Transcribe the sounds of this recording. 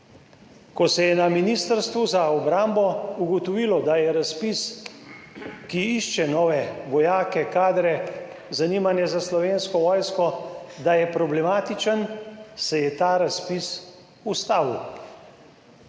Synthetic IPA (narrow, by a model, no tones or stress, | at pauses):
kɔsɛjɛnaminiːst̪əɾst̪ʋuzaɔbɾaːmbɔuɡɔt̪ɔʋiːlɔd̪ajɛɾaspis | kiiʃt͡ʃɛnɔːʋɛʋɔjaːkɛkaːd̪ɾɛ | zaniːmanjɛzaslɔʋenskɔʋɔːjskɔd̪ajɛpɾɔblɛmaːt̪it͡ʃənsɛjɛt̪aːɾaspis | ust̪aːw